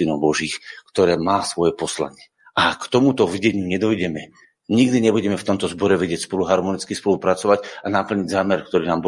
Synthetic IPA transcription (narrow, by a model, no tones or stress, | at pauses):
inɔʊbɔʒiːxkt̪ɔɾɛːmaːsʋɔjɛpɔsla̰ɲɪɛ | ʔakt̪ɔmut̪ɔvɟɛɲuɲɛd̪ɔjɟɛmɛ | ɲiɡd̪iɲɛbuɟɛmɛft̪ɔmt̪ɔzbɔɾɛʋɛɟɪɛcspɔluɦaɾmɔnit͡skispɔlupɾat͡sɔʋaɟanapl̩ɲiɟzaːmɛɾkt̪ɔɾiːnaːmb